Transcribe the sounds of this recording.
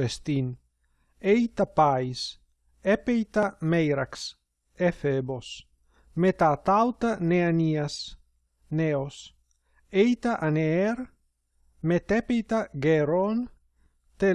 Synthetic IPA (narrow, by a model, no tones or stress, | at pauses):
est̪in | ejt̪apajs | epejt̪amejɾaks | efebos | met̪at̪awt̪aneanias | neos | ejt̪aʔaneeɾ | met̪epejt̪aɡeɾon | t̪e